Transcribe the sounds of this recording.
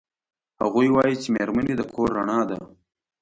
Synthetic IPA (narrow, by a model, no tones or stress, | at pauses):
haɣujwɑjit͡ʃemeɾmaned̪əkʰoɾːaɳɑd̪a̰